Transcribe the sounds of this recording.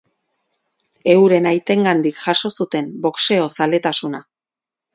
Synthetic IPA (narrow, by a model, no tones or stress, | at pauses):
e̞wɾe̞najt̪e̞ŋɡand̪ikʝaʃo̞sut̪e̞mbo̞kse̞o̞sale̞t̪asuna